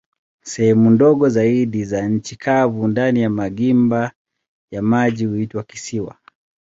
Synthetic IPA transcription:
sɛhɛmundɔɠɔzaiɗizaɲ̩t͡ʃikʰavundanijamaɡimba | jamaʄihuitwaki̥siwa̰

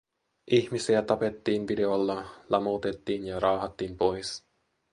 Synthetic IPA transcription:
ʔiçmisiæt̪ɑpe̞t̪ːiːnʋide̞olːɑlɑmowt̪e̞t̪ːiːnjɑɾɑːɦɑt̪ːiːmpo̞js

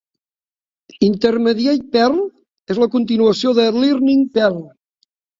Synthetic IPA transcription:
int̪əɾməðiaɾjpɛrl | ezləkunt̪inuəsioðəlirniŋpɛlˠ

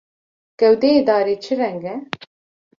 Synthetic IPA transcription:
ɡ̥ɛwd̪eeːd̪ɑːɾeːt͡ʃʰɨrɛŋɡɛ

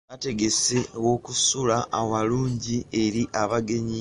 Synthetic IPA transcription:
ate̞ɡe̞sewo̞kusulaawaluːɲɟie̞ɾiʔaβaɡe̞ɲi

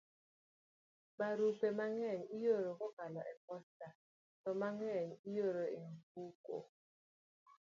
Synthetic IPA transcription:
baɾupemaŋɛɲijoɾokɔkalɔʔɛk̚ɔsta | tɔmaŋɛɲijoɾoiŋk̚uko̰

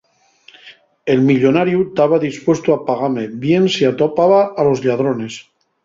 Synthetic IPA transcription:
elmiʎonaɾjut̪aβ̞aðispwest̪oapaɣ̞amebjensiat̪opaβaalo̞zʎað̞ɾone̞s

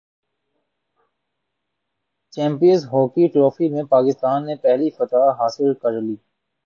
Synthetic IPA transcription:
t͡ʃɛ̃ːmpijə̃nzɦɔːkiʈɾoːfimẽpaːkɪst̪aːnːepɛɦlifɐt̪aːɦaːsɪlkɐɾliː

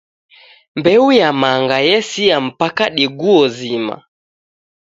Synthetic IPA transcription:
mbɛujamaŋɡajɛsiam̩pakaɗiɡuɔzima̰

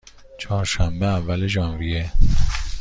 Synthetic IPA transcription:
t͡ʃʰɒːɾʃæmbeævːæleʒɒːnvije

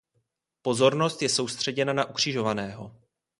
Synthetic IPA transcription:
po̞zo̞ɾno̞st̪jɛso̞wst̪r̝̥ɛɟɛnanaʔukr̝̥ɪʒo̞vanɛːɦo̞

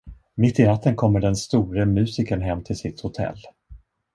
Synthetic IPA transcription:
mɪt̪ːɪɾat̪ːənkʰɔmːəɖɛnst̪uːɾəmʉ̟ːsɪkənɦɛmːt̪ʰɪlsɪt̪hʊt̪ʰɛ̰lː

